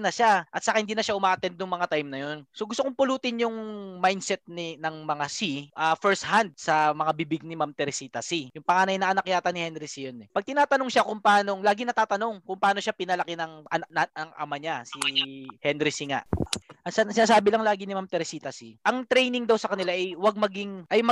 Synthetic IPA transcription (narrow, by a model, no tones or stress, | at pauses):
nɐʃaʔɐt̪̚sakahɪnd̪iːnɐʃaʔʊmaːʔɐt̪ɛnd̪jʊŋmɐŋat̪ajmnɐjo̞nsoɡʊst̪okʊŋpʊluːt̪ɪnjʊŋmajnd̪sɛt̪̚ninɐŋmɐŋasiʔafɛɹs̚hand̪̚sɐmɐŋabibɪɡ̚nɪmamt̪ɛɾsiːt̪ɐsijʊŋpɐŋaːnɐjnɐʔɐnɐk̚jaːt̪ɐnɪhɛnɾɪsijonɛpɐɡ̚t̪ɪnaːt̪ɐnoŋʃakʊmpɐʔaːno̞ŋlaːɡɪnɐt̪aːt̪ɐno̞ŋkʊŋpɐaːno̞ʃapɪnɐlɐkɛnɐŋʔɐnɐɐŋʔɐ̰maɲasihɛnɾɪsiŋa̰ʔʔɐssɪnaːs̬aːbɪlɐŋlaːɡinɪmamt̪ɛɾsiːt̪ɐsiʔɐŋt̪ɾɛjnɪŋd̪awsɐkɐnɪlaʔɐjwɐɡ̚mɐɡiŋʔɐjmɐ